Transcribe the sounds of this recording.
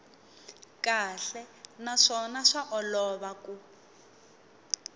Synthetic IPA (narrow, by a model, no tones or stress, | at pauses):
kaɬɛnaʂɔnaʂaʔɔlɔβaku